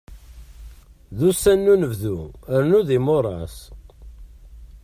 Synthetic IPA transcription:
ðusænːunəvðuəɾnuðimoɾˤɑ̰s

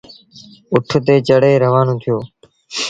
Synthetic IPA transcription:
ʊʈʰt̪eːt͡ʃəɽeːɾəʋaːnõːt̪ʰɪjoː

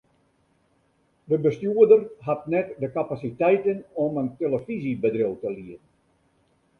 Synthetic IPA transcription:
dəbəstjuədərɦatnɛtdəkapasitɛjtənɔmənteləfizibədrɪlˠtəliərn

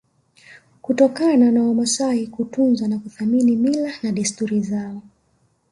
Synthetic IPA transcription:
kutɔkananawamasaikutunzanakuθaminimilanaɗistuɾizaɔ

